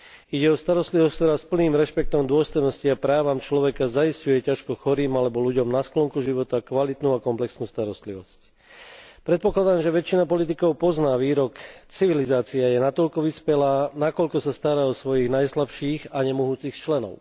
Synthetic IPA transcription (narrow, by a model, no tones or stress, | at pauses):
iɟɛɔst̪aɾɔst̪liʋɔsck̚t̪ɔɾaːspl̩niːmɾɛʃpɛk̚t̪ɔmd̪ʊɔst̪ɔjnɔsciapɾaːʋamt͡ʃlɔʋɛkazaiscujɛcaʃkɔxɔɾiːmalɛbɔluɟɔmnasklɔŋkuʒiʋɔt̪akʋalit̪nuːakɔmplɛksnuːst̪aɾɔst̪liʋɔsc | pɾɛt̪̚pɔklad̪aːmʒɛʋɛt͡ʃːinapɔlit̪ikɔʊpɔznaːʋiːɾɔkt͡siʋilizaːt͡siajɛnat̪ɔʎkɔʋispɛlaːnakɔʎkɔsast̪aɾaɔsʋɔjiɣnajslapʃiːɣaɲɛmuɦuːt͡sixt͡ʃlɛnɔ̰ʊ